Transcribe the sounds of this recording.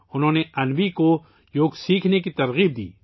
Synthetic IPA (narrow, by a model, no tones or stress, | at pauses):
ʊnɦõːneɐnʋiko | joːɡsiːkʰnekit̪ɐɾɣiːb̚d̪ḭː